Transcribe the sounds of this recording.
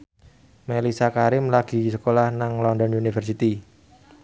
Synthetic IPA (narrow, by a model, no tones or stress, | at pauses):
melisakaɾɪmlaɡ̥i̤səkolahnaŋlɔndɔnunifərs̬it̪i